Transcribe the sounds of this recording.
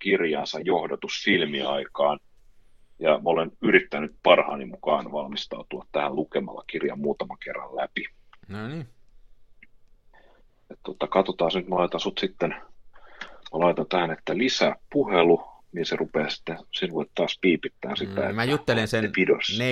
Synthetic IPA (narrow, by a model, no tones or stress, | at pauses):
kirjɑ̰ːnsɑjjohdot̪usfilmiɑ̰ikɑːn | jɑmolenyrit̪ːænyt̪̚pɑrhɑ̰ːnimmukɑːnʋɑlmist̪ɑut̪uɑt̪t̪æhællukemɑ̰lːɑ̰kirjɑ̰mmuːt̪ɑmɑŋkerːɑ̰llæpi | et̪t̪ot̪ːɑkɑt̪ot̪ɑːsnyt̪mælɑit̪ɑsut̪sit̪ːen | mɑlɑit̪ɑnt̪æhænet̪ːælisæːppuheluniserupeːsi̥t̪ːesinʋuet̪t̪ɑːspiːpit̪ːæːnsit̪ːæḛjut̪ːelenseepidos